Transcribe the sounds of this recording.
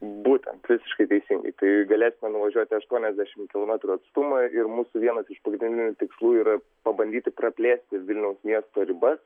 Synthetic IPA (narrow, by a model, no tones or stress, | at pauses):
buːt̪ʲɛ̰nt̪ʋʲɪsʲɪ̥ʃkɐɪt̪ʲɛɪsʲɪŋɡɐ̰ɪt̪ɐɪɡɐlʲeːsʲɪmʲɛnʊʋɐʒʲuɔt̪ʲɪɐʃt̪uɔnʲɛzʲd̪ʲæːʃʲɪmkʲɪlˠoːmʲæt̪ɾuɐt̪st̪ʊmɐɪrmuːsʊʋʲiɛnɐsɪʃpɐɡɾʲɪnɪnʲdʲɪnʲʊt̪ʲɪkslˠuːiːɾɐ | pɐbɐnd̪ʲiːt̪ɪpɾɐpʲlʲeːsʲt̪ʲɪʋʲɪlʲnʲɛʊsmʲiɛst̪oːɾʲɪbɐs